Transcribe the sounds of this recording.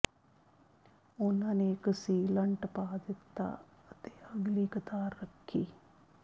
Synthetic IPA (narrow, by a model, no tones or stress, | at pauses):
ʊnãːneːkəsiːləɳʈpaːd̪ɪt̪ːa̰ː | ət̪eːəɡliːkət̪aːɾːəkʰːiː